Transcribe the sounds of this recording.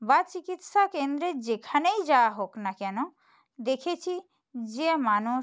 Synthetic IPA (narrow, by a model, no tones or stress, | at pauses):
bat͡ɕikit̪ʃakend̪ɾed͡ʑekʰanejd͡ʑawaɦoknakɛno | d̪ekʰet͡ɕʰi | d͡ʑemanu